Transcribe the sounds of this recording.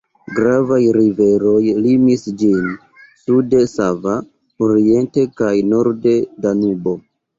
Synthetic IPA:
ɡɾavajɾive̞ɾo̞jlimisd͡ʒin | sude̞sava | oɾie̞nte̞kajno̞ɾde̞danubo̞

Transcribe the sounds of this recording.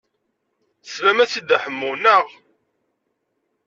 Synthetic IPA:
svæmæθid̪æħəmːuwnəʁ

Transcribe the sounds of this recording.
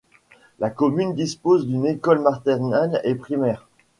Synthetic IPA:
lakɔmynd̪ispozd̪ynekɔlmaʁt̪ɛʁnalepχimɛːʁ

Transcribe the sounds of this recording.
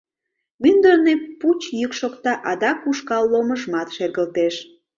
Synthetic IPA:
mynd̪ərneput͡ɕjykʃokt̪ɑʔɑd̪ɑkuʃkɑlːoməʒmɑt̪ʃerɣəlt̪eʃ

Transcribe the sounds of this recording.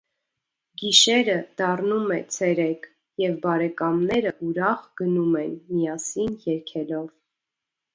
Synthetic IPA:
ɡiʃɛɾəd̪̥ɑrnumɛt͡sʰɛɾɛk | jɛvbɑɾɛkɑmnɛɾəʔuɾɑχɡ̥ənumɛnmijɑsinjɛɾkʰɛlɔv

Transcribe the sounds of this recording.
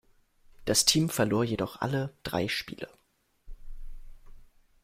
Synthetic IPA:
d̥astʰiːmfɛɐloːɐjedɔχʔa̰ləd̥ʁa̰ɪʃpḭːlə̰

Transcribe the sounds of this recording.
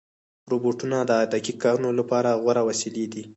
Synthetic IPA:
ɾoboʈunad̪əɑjd̪akikɑɾunolapɑɾaɣwaɾawaseled̪i

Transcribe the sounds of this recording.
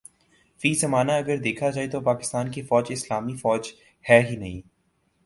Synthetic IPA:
fiːzɐmaːnaɐɡəɾd̪eːkʰad͡ʒaːet̪opaːkɪ̥st̪aːnkifɔːd͡ʒɪslaːmifɔːd͡ʒ | hɛːɦinɐɦĩː

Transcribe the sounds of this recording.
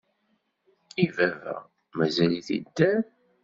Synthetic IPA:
ivævæ̰ | mæzæliθḭd̪ːæ

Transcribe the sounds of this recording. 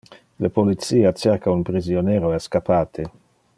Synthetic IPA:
lepolit̪siːat͡ʃerkaunpɾizjoneːɾoɛskapʰaːt̪ʰe

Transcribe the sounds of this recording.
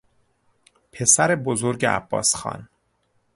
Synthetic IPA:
pʰe̞sæɾe̞bozoɾɟeʔæ̰b̥ːɒ̰ːsxɒ̰ːn

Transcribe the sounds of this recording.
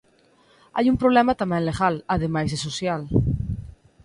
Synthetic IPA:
a̰jumpɾoβlemat̪amenleɣalaðemajzesosjal

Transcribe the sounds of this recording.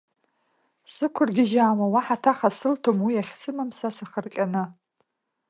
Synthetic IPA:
sɨkʷʰʊrɡʲɪʒaːmawaħatʰaχasɨltʰomwijaχʲsɨmamsasaχərkʲʼanɨ

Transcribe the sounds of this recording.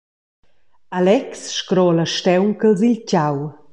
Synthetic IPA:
alɛksʃkɾɔləʃtɛwnkəlzilcaw

